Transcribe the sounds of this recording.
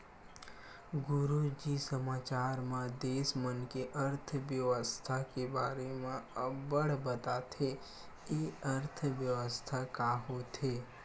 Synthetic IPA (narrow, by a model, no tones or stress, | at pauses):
ɡʊɾud͡ʒisəmaːt͡ʃaːɾmẽd̪eːsmənkeʔəɾt̪ʰəʋjəʋəst̪ʰakebaːɾemẽbəɽbət̪at̪ʰe | jeəɾt̪ʰʋjəʋəst̪ʰakaːɦot̪ɦeː